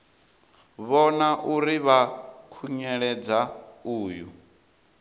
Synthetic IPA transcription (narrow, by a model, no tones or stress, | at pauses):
βɔnaʔuɾiβakʰuɲɛɺɛd͡zauːjṵ